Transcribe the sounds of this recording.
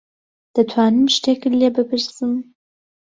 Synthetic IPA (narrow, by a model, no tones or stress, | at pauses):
d̪̥ɐt̪ʰwaːnɨmʃt̪eːkɨlebɨpʰɨɾsɨm